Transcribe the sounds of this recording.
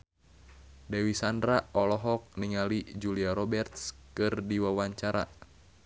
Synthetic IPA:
dɛwisandɾaɔlɔɦɔk̚niŋalid͡ʒuliaɾɔbɛrt̪skɨrdiwawaɲt͡ʃaɾa̰

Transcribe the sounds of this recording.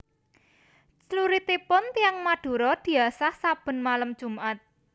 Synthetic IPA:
t͡ʃluɾit̪ipʊnt̪iaŋmaɖ̥o̤ɾɔd̪̥i̤asahsab̥ə̤nmaləmd̥ʒ̥ṳmʔat̪̚

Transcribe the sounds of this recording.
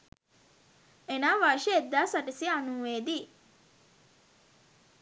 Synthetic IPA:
enaːʋaʃeed̪ːaːsɐʈisiɐnuːʋeːd̪i

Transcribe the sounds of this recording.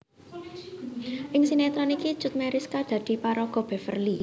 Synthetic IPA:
ʔɪŋsinɛt̪ɾɔniki̥ʒ̥ʊt̪̚mɛɾɪskad̪̥ä̤d̪̥i̤paɾɔɡ̥ɔ̤b̥ɛ̤fə̰rli

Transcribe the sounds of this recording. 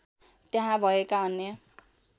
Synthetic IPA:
t̪jaɦãbʱʌekaʌnːjʌ

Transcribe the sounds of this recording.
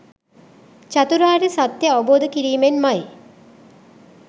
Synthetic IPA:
t͡ʃat̪uɾaːɾesat̪jəɔboːd̪əkiɾiːmenmaj

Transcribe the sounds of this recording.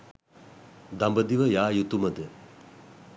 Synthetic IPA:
d̪ambəd̪iʋəjaːjut̪uməd̪ə

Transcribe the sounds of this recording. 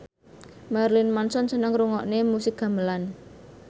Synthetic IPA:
marlinmansɔnsənəŋɾuŋɔʔnemusɪk̚ɡ̥ä̤mbəlan

